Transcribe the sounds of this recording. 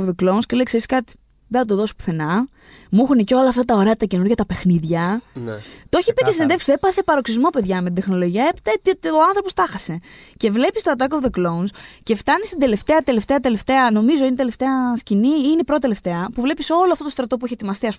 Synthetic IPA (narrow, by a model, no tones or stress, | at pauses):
vðeklounscelekseskɐt̪i̥ | ðeθɐt̪oðo̞si̥pu̥θe̞nɐ | muxuneceo̞lɐːft̪ɐt̪ɐoɾe̞ɐt̪ɐce̞nuɾʝɐt̪ɐpe̞xniðʝɐ | t̪o̞çipices̬inɐnd̪ekst̪epɐθepɐɾo̞ksizmo̞pe̞ðʝɐmet̪id̪exno̞lo̞ʝiɐepi̥t̪ɐt̪oɐnθɾo̞po̞st̪ɐxɐse̞ce̞vle̞pist̪oɐt̪̬ɐkovðeklounsce̞ft̪ɐnist̪id̪ele̞ft̪e̞ɐt̪e̞le̞ft̪e̞ɐt̪e̞le̞ft̪e̞ɐno̞mizo̞inet̪eleft̪e̞ɐsciniinepɾotot̪eleft̪e̞ɐpuvle̞piso̞loɐft̪ot̪ost̪ɾɐt̪o̞p̬ueçiet̪imɐst̪iɐs